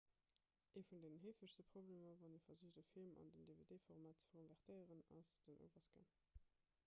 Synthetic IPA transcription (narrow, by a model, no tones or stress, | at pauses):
ʔeːfundeːnənɦeːfəʃstəpʁ̥obleːmɐvɑnefɐzuəʃdəfilmʔɑ̰ndəndevedeːfoʁmaːt̚t͡sə̥fkʰonvɛʁtʰəɪəʁənɑ̰sd̥ənʔo̰ʊvɐsɡ̥ḛn